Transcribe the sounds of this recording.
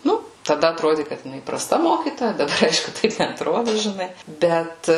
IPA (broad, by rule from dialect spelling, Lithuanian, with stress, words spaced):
ˈnʊ tɐˈdɐ ɐtˈroːdʲɪ kɐt jɪˈnɐɪ prɐˈstɐ ˈmoːkʲiːtoːjɛ dɐˈbɐr ˈɐɪʃkʊ ˈtɐɪp nʲɛɐtˈroːdʊ ʒʲɪˈnɐɪ ˈbʲɛt